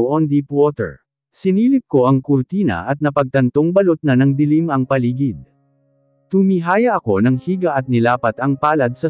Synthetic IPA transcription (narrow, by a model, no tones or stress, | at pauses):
wʔɔnd̪ipwot̪ɛ̰ɹ | sɪniːlɪp̚ko̞ʔɐŋkʊɾt̪iːnɐ̰ʔɐt̪̚nɐpɐɡ̚t̪ɐnt̪o̞ŋbɐlot̪̚nɐnɐŋd̪ɪlimɐŋpɐliːɡɪd̪̚ | t̪ʊmiɦaːjɐʔɐko̞nɐŋhiːɡɐʔɐt̪̚nɪlaːpɐt̪ɐŋpaːlɐd̪̚sɐ